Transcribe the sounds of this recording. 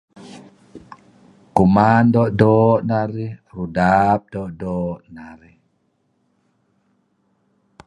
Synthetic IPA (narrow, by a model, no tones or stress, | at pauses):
kumandɔdɔːnaɾiɾudaːb̚dɔdɔnaɾi